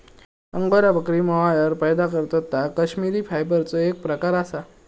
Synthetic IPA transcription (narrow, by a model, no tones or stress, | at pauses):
əŋɡoɾabəkɾiːməʋajəɾpəjd̪akəɾt̪ət̪akəɕmiɾiːfajbəɾt͡soek̚pɾəkaɾasa